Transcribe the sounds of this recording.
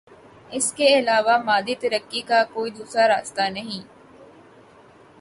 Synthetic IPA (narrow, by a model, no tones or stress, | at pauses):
ɪskeɪlaːʋaːmaːd̪iːt̪ɐɾɐkːiːkaːkoːid̪uːsɾaːɾaːst̪aːnɐɦĩː